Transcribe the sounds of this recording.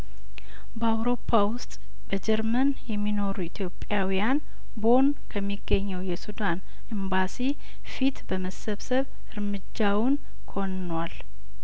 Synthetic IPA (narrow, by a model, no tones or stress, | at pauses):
bəawɾo̞pʰːawʊst̪ʼ | bəd͡ʒɛɾmən | jɛmːino̞ɾuit̪ʰjo̞pʼːjawijan | bo̞n | kʰəmːiɡːəɲːɛwjɛsud̪an | ɨmbasi | fit̪bəməsəβsəβ | ɨɾmɨd͡ʒːawn | kʰo̞nːwal